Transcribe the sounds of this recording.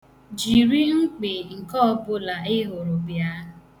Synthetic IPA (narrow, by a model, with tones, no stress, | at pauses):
d͡ʒi˨ɾi˦ŋ̩˦k͡pe˨ŋ̩˨kɔ˦ɔ˦bʊ˦la˨ɪ˦ɦo˨ɾʊ˨bja˦